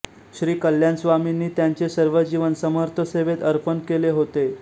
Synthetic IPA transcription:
ɕɾiːkəljansʋaminːiːt̪jaɲt͡sesəɾʋəd͡ʑiʋənsəməɾt̪ʰəseʋet̪əɾpənkeleɦot̪e

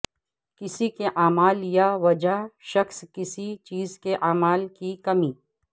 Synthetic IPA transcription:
kɪsikeʔaːmaːljaʋɐd͡ʒaʃɐxskɪsit͡ʃiːzkeʔaːmaːlkikɐmiː

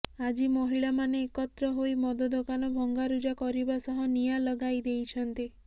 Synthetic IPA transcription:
ad͡ʒimɔɦiɭamaneːkɔt̪ɾɔɦoimɔd̪ɔd̪okanɔbʱɔŋɡaɾud͡ʒakɔɾibasɔɦɔnijalɔɡajd̪ejt͡ʃʰɔnt̪i

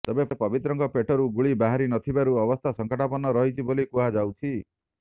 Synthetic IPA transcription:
t̪ebepɔbit̪ɾɔŋkɔpeʈʰɔɾuɡuɭibaɦaɾinɔt̪ʰibaɾuɔbɔst̪ʰasɔŋkɔʈʰapɔnɔɾɔɦit͡ʃʰibolikuad͡ʒawt͡ʃʰi

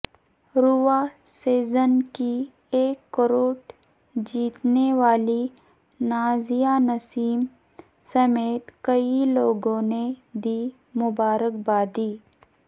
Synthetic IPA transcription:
ɾuʋaːseːzənki | eːkːəɾoːʈ | d͡ʒiːt̪neʋaːli | naːzijanɐsiːm | sɐmeːt̪kɐiloːɡõned̪iː | mʊbaːɾək̚baːd̪iː

